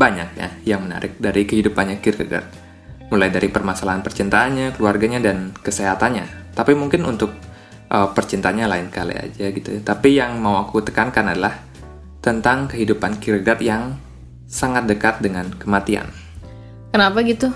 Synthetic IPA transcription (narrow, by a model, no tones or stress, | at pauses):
baɲa̰k̚ja̰jaŋməna̰ɾɪk̚daɾikəɦidupanɲakirɡə̰ɡa̰t̪̚ | mulajdaɾipərmasalaɦanpərt͡ʃint̪aːnɲakəluarɡaɲadankəseɦat̪anɲa̰t̪apimuŋkɪnunt̪ʊk̚ | ʔəpərt͡ʃint̪aɲalaɪnskalḭa̰d͡ʒaɡit̪ut̪apijaŋmauakut̪ə̥kankanadalah | t̪ənt̪aŋkəɦidupankiɾɡɡat̪jaŋ | saŋat̪̚dəkat̪̚dəŋankəmat̪ia̰n | kənapaɡit̪u